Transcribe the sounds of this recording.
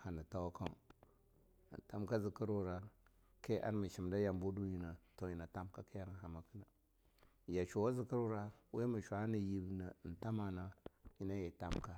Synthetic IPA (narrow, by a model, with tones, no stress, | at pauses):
ha˨na˨ta˦wa˦ka˦˨ | n˨ta˦mka˦zi˨kə˦ɾu˦˨ɾa˨ | ke˦ʔa̰˦ɾmə˨ʃi˨mda˦ja˨mbu˦du˦ji˨na˨to˨ji˨na˨ta˦mka˦ki˦ja˦n˨ha˨ma˨kə˦na˨ | ja˨t͡ʃu˨wa˦zi˨kə˦ɾu˦ɾa˦we˦mi˨ʃʷa˨a˦ni˨ji˨bna˨n̩˨ta˦ma˨na˨ji˦na˦je˨ta˦mka˦